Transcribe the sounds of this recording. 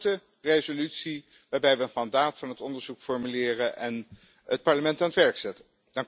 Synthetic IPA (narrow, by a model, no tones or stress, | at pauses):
tə | rezolytsi | ʋaːɹbɛjʋəənmɑndaːtfɑnɦətɔndəɹzukfɔɹmylɪːrənʔɛn | ət̚pɑɹləmɛntaːnətʋɛɹksɛtən | d̥ɑŋ